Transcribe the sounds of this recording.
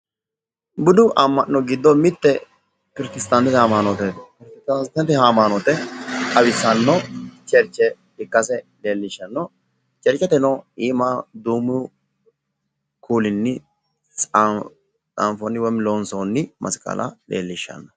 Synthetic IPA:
bʊd̪ʊʔɐmːɐʔnɔɡɪd̪ːɔmɪt̪ːɛ | pɪɾkɪst̪ant̪ɪt̪haːmaːnɔt̪ɛt̪pɪɾkɪst̪ast̪ɐnt̪ɪhaːmaːnɔt̪ɛtɐwɪsːɐnːɔt͡ʃʼɛɾt͡ʃːɛ | ɪkːɐsɛleːlːɪʃːɐnːɔ | t͡ʃʼɛɾt͡ʃʼːɛt̪ɛnɔiːmɐd̪uːmʊ | kʰuːlɪnːɪ | t͡sa̰mfɔnːɪwɔmɪloːnsoːnːɪmʔɐ̰skʼːɐ̰lʔɐ̰lḛːlːɪʃːɐ̰nːɐ

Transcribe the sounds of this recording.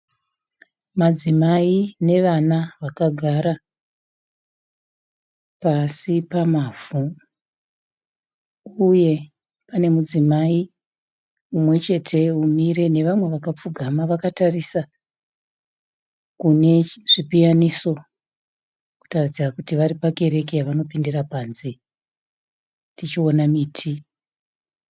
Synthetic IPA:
mad͡zimaine̞ʋanaʋakaɡʱaɾa | pasipamavu | uje̞ | pane̞mud͡zimai | umwe̞t͡ʃe̞tʰe̞umire̞ne̞ʋamwe̞ʋakap͡fuɡʱamaʋakatarisa | kune̞ʐ̥ipijaniso̞ | ku̥tarid͡zirakutiʋaɾipake̞ɾe̞k̬ejaʋano̞pindirapanzi | tit͡ʃio̞namiːtʰi

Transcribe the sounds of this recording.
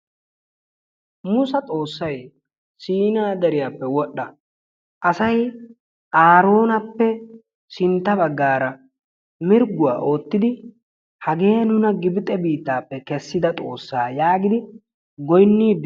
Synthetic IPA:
mʊsɐt̪ʼo̞ːsːɐj | siːnaːd̪ɐɾɪjaːpːɛwɔɗːɐ | ʔɐsɐj | ʔaːɾo̞ːnɐpːɛ | sɪnt̪ːɐbɐɡːaːɾɐ | mɪɾɡʊwa̰ːʔo̞ːt̪ːɪd̪ɪ | hɐɡeːɐnʊnɐɡɪbɪt̪ʼɛbiːt̪ːaːpːɛkɛsːɪd̪ɐt̪ʼo̞ːsːaːjaːɡɪd̪ɪ | ɡɔjnːiːd̪

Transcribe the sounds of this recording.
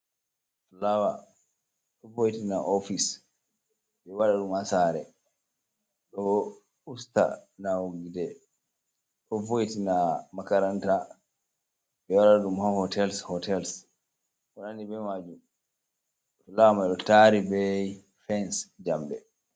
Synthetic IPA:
flawa | ɗɔvojitinaʔofis | ɓɛwaɗaɗumhasaɾɛ | ɗɔ | usta̰nawɡidɛ | ɗɔvojitinamakaɾanta | ɓɛwaɗaɗumhahɔtɛlshɔtɛls | ʔɔnanibɛmad͡ʒum | flawamaɗɔtaɾibɛ | fɛnsd͡ʒambɛ

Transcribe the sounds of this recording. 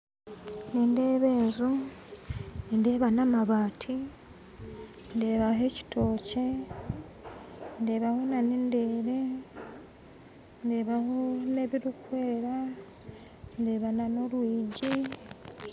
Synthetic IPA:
ninde̞ːβe̞ːzu | ninde̞ːβanamaβaːtʰi | nde̞ːβaɦe̞ci̥tʰo̞ːce | ndeːβahonanindeɾe | ndeːβahone̞βiɾukwe̞ːɾa | nde̞βanano̞ɾwiːɟi

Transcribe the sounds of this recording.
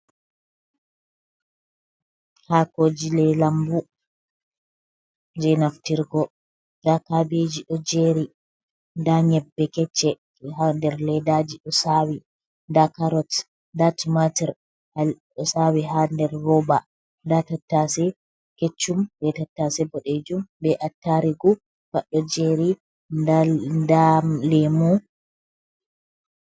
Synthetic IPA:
haːkoːd͡ʒilɛlambu | d͡ʒɛnaftiɾɡɔ | dakabed͡ʒiɗɔd͡ʒeːɾi | ndaɲɛbːɛkɛt͡ʃːɛ | ɦandɛɾlɛdad͡ʒiɗɔsaːwi | ndakaɾɔt | ndatimatiɾ | ha | ɔsawiɦandɛɾːɔba | ndatatːasɛ | ket͡ʃːumbɛtatːasɛbɔɗed͡ʒumbɛʔatːaɾiɡu | faɗɔd͡ʒeɾi | andalɛmu

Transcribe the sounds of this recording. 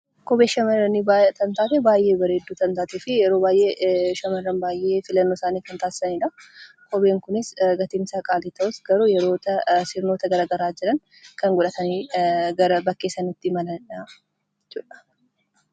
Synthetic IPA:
kɔbeːʃɐmɐɾɐnit̪ɐnt̪aːt̪ɛbaːjʔe̞ːbɐɾeːd̪ːuːt̪ɐnt̪aːt̪eːfɪjɛɾoːbaːjʔeːʃɐmɐrɐnbaːjʔe̞ːfɪlɐnːoːsaːniːkɐnt̪aːsɪ̥sɐniᶑɐ | kɔbeːŋkʊnɪsɡɐt̪ɪmsakʼaːlit̪ɐʔʊsɡɐɾuːjɛɾo̞ːt̪ɐsɪɾno̞ːt̪ɐɡɐɾaːɡɐɾaːd͡ʒɪɾɐŋ | kɐŋɡʊᶑɐt̪ɐniːɡɐɾɐbɐkːeːsɐnɪt̪ːɪmɐlɐa | t͡ʃːuːᶑɐ̥

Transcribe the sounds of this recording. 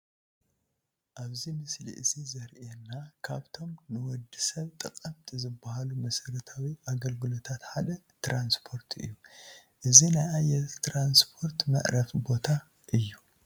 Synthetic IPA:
ʔaβzimɨslḭʔɨzizɐɾʔenːakʰaβt̪ʰo̞mnɨwɔd̪ːisɐβt̪ʼɨkʼɐmt̪ʰʼizɨbːahalumɐsɐɾɐt̪ʰawiʔaɡɐlɡɨlo̞t̪ʰat̪ħad̪ɐ | t̪ɾanspʰo̞ɾt̪ʰɨ̰jːuʔɨzinajajːɛt̪ʰɾanspʰo̞ɾt̪mɐ̰ʔɾɐfbo̞t̪ʰa | ʔɨjːu

